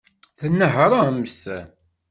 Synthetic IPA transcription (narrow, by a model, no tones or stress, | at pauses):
θənːəɦɾˤaəməsæ